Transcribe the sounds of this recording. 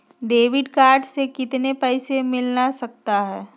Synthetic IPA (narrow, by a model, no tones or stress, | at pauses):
ɖeːʋɪɖkaːɾɖsekɪt̪nepɛːsemɪlnasɐk̚t̪aɦɛː